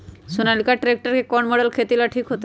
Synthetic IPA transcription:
sunalikaʈɾek̚ʈəɾkekɔɳmɔɽəlkʰet̪ilaʈʰiːkɦot̪e

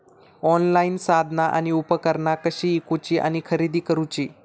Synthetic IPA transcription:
ɔnlainsad̪ʱnaʔa̰niupəkəɾɳakəɕiːkut͡ɕiːʔa̰ñikʰəɾid̪ʱiːkəɾut͡ɕiː

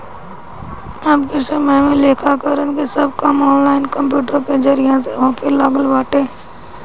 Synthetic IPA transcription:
aːpkisəməjmẽleːkʰakəɾənkisɐb̚kɐmɔːnlaːɪnkɐ̃mp̬juːʈəɾked͡ʒəɾɪjãseɦõkelaɡəlʋaːʈẽː

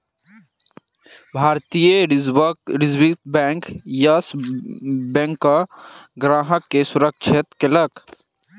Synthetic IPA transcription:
bʱaːɾt̪ijə | ɾɪzwit̪bɛ̃ːŋkjas | bɛ̃ŋkːaɡɾaːɦəkːesʊɾəkʃɪt̪kelək

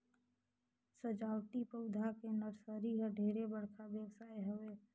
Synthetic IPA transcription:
səd͡ʒaːwt̪ipəʊd̪ʱakenəɾsəɾiɦəɖʱeːɾebəɽkʰabeːksaːeɦəʋeː

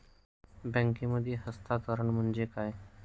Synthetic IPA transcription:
bɛ̃ŋkĩməd̪ʱːjeɦəst̪ʰat̪əɾəɳm̤əɳd͡ʑekaj

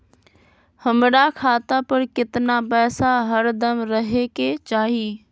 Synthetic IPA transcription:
həmɽakʰaːt̪apəɾkɪt̪napɛːsaɦəɾd̪əmɾəɦeket͡ʃaːɦiː

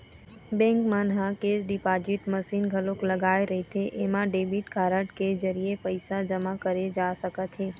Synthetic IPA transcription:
bɛ̃ŋkmənɦãked͡ʒɖipad͡ʒiʈməʃinɡʱəlokləɡajɾəɦit̪ʰeʔemãɖebiʈkʰaɾəʈked͡ʒəɾijepəjsad͡ʒəmakəɾed͡ʒaʃəkət̪ʰe

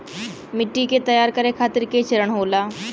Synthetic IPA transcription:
mɪʈːiket̪ɐjaːɾkɐɾekʰaːt̪ɪɾket͡ʃʰɐɾəɳɦoːlaː

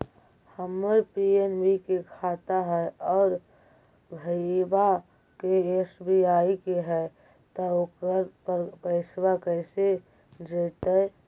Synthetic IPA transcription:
həməpienbikekʰaːt̪aɦɛɔːɾ | bʱəba | keeːsbiaːikeɦɛ | t̪ɔokəɾppəɪswakɛɪse | d͡ʒeːt̪ə

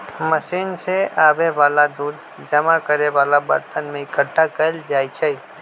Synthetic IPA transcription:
məʃinseaʋeʋalad̪ud̪ʱ | d͡ʒəmakəɾeʋalabə̰ɾt̪ənmẽikəʈʰːakəld͡ʒaːjt͡ʃʰe

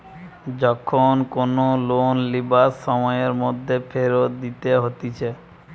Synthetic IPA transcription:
d͡ʑɔkʰonkonolonlibasːɔmɔeɾmod̪ʱːefʰeɾot̪̚d̪it̪eɦot̪it͡ɕʰe

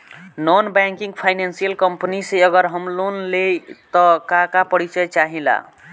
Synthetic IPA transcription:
nɔnbɛŋkĩŋɡpʰajnansijəlkəmpniseəɡəɾɦəmlonlet̪ɔkakapəɽit͡ʃət͡ʃaɦĩla̰

